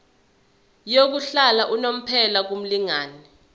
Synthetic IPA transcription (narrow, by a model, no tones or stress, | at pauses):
jok̬uɬalaʔunom̩pʰɛlak̬um̩liŋaːni